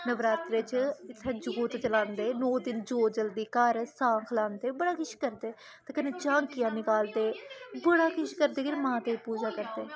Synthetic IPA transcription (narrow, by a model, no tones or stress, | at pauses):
nəʋɾaːt̪ɾet͡ʃɪt̪ʰːẽːd͡ʒʊɡoːt̪ːt͡ʃəlãːnd̪eːnoːd̪ɪnd͡ʒoːd͡ʒəld̪iːkəɾsãːkʰlãːnd̪eːbəɽaːkɪʃkəɾd̪eː | t̪eːkəneːt͡ʃãːŋkɪjãːnɪkaːld̪eːbəɽaːkɪʃkəɾd̪eːkɪɾmãːt̪eːipuːd͡ʒaːkəɾd̪eː